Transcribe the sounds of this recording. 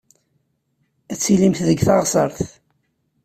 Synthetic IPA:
æt͡sːilimθðəɡθɑʁsˤɑɾˤθ

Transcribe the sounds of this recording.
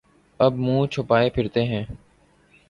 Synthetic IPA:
əbmũːt͡ʃʰʊpaːepʰɪɾt̪eɦɛ̃ː

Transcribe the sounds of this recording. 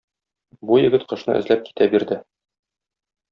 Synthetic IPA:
bujɘ̆ɡɘt̪qɤ̆ʃnɤ̰ʔɘ̰̆zlæp̚ki̥t̪ʰæbiɾd̪ɘ

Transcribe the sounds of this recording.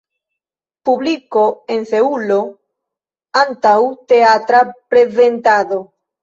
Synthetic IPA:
puβlikoenθeulo | ant̪awt̪eat̪ɾapɾeðent̪aðo

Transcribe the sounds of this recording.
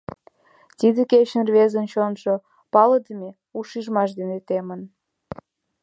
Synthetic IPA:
t̪id̪eket͡ɕənrβezənt͡ɕonʃo | pɑləd̪əme | uʃiʒmɑʃd̪enet̪emən

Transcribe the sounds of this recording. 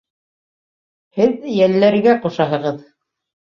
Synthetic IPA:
hɘðjælːæɾɡæqŏʃɑɦɤ̆ʁɤð

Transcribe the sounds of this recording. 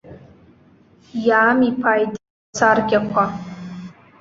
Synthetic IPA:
jaːmipʰaːjd | t͡sʰarɡʲakʷʰa

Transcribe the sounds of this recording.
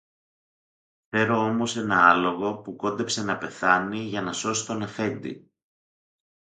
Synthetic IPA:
fte̞ɾo̞o̞mo̞se̞nɐɐlo̞ɣo̞puko̞nd̪epse̞nɐpe̞θɐniʝɐnɐso̞si̥t̪o̞nefe̞nd̪ḭ

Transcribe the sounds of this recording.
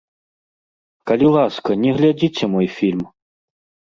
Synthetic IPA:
kɐlʲilˠaskɐnʲɛɣlʲad͡zʲit͡sʲɛmɔjfʲilʲm

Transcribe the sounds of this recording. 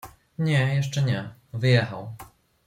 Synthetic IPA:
ɲɛjɛʂt͡ʂɛɲɛvɘjɛxa̰w

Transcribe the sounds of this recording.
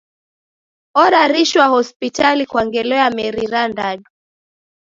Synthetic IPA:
ɔɾaɾiʃwahɔspitalikwaŋɡɛlɔjamɛɾiɾandaɗu

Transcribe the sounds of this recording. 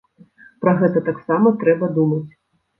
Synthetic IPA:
pɾɐɣɛt̪ɐt̪aksamɐt̪ɾɛbɐd̪umɐt͡sʲ

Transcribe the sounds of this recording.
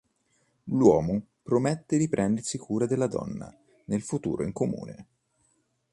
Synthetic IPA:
lwɔːmo | pɾomet̪ːed̪ipɾʔɛnd̪ersikʰuːɾad̪elːad̪ɔ̰nːa̰ | nelfut̪ṵːɾoiŋkomṵːnḛ

